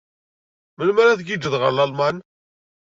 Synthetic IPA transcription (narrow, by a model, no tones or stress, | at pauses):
məlmæɾaθɡid͡ʒəðʁəɾlɑlman